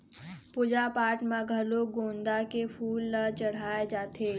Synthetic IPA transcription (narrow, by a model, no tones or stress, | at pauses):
pʊd͡ʒapaːʈmãɡʱɐloɡõːnd̪akefʰuːlːat͡ʃɐɽ̤aːed͡ʒaːt̪ʰeː